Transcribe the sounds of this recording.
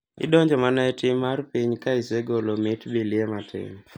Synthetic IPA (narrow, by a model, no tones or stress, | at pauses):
ɪ̰dɔɲd͡ʒɔmanaɛtɪmːarpiɲkaiseɡolomɪtbiliematʰɪ̰ŋ